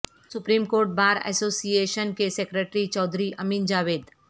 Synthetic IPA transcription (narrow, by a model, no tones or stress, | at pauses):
sʊpɾiːmkoːɾʈ̚baːɾɛ̰soːsijeːʃənkesekɾeʈɾit͡ʃɔːd̪ʱɾiʔɐmiːnd͡ʒaːʋeːd̪